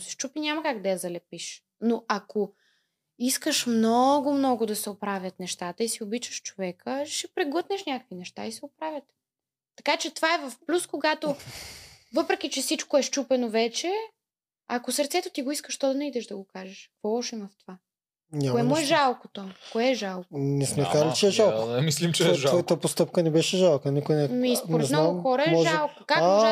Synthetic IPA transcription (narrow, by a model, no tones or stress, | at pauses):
sɛ̥ʃt͡ʃupinʲamɐkaɡd̪ɐjɐzɐlɛpiʃ | noʔako | iskəʃmnɔɡʊmnɔɡʊd̪ɐsɛopɾavʲjət̪nɛʃt̪at̪əisiobit͡ʃəʃt͡ʃovɛkəʃɛpɾɛɡˠət̪nɛʃnʲakə̥kvinɛʃt̪a̰isɛopɾavʲjət̪ː | ɐkat͡ʃɛt̪ovaɛvɐfplʲuskoɡat̪o | vɤpɾɛk̟ʲit͡ʃɛsit͡ʃkoɛʃt͡ʃupɛnovɛt͡ʃɛ | akosəɾt̪sɛt̪ot̪iɡoiskəʃt̪ɔd̪ɐnɐid̪ɛʃd̪ɐɡokaʒɛʃkvɔlˠɔʃimɐft̪ova | ɲʲaoɛmoɛʒalˠkot̪okoɛːʒalˠkonɛsmɛkaɾlit͡ʃɛɛʒalˠkoɛmislimt͡ʃɛvɔjt̪əpost̪ɤpkənɛbɛʃɛʒalˠkənikʊɛnɛmispnoɾɛznaɡɡʊmxɔɾəɛmɔʒlˠkokaka